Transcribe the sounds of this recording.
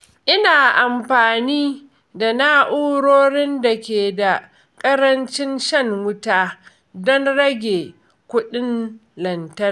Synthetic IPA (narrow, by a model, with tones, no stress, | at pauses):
ʔɪ˦naː˨ʔa˨mɸaː˨niː˦ | da˨na˦ʔu˦ɽoː˦ɾɪ˦nda˨kʲeː˨da˨ | kʼɐ˦ɾɐ˦nt͡ʃɪ˦nʃɐ˦ŋwʊ˦taː˦ | dɔ˦nɽɐ˦ɡʲeː˨ | kʷʊ˦ɗɪ˦nlɐ˨ntɐ˦r